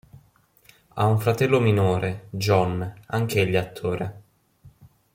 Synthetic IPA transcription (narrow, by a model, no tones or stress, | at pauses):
a̰uɱfɾat̪ɛlːominoːɾed͡ʒɔnːaŋkeʎːat̪ʰːoːɾe